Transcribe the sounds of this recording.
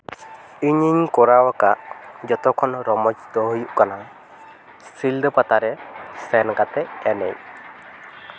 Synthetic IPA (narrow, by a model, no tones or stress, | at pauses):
iɲiɲkɔɾawakaʔd͡ʒɔt̪ɔkʰɔnɾɔmɔd͡ʒit̪ɔɦujʔkana | stʰild̪ɔpat̪aɾɛsɛnkat̪ɛɛnɛj